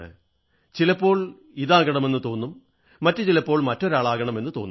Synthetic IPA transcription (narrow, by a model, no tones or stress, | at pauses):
ɨ̰ | t͡ɕilɐpːo̞ːɭ | iðaːɣɐɳɐme̞nːɨt̪o̞ːnːumː | ɐtːɨt͡ɕilɐpːo̞ːɭmɐtːo̞ɾaːɭaːɣɐɳɐme̞nːɨt̪o̞ːnː